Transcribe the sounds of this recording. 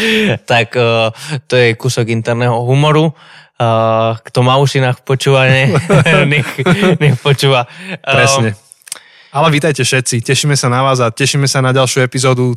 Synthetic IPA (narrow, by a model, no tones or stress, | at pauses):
t̪akː | t̪ɔjɛkusɔɡint̪ɛɾnɛːɦɔɦumɔɾu | kt̪ɔmauʃinaːxpɔt͡ʃuːʋaɲɛɲɛxɲɛxpɔt͡ʃuːʋaɾɛsɲɛ | alɛʋiːt̪ajcɛfʃɛt̪̚t͡sicɛʃiːmɛsanaʋaːzacɛʃiːmɛsanaɟalʃjuɛpizɔːd̪u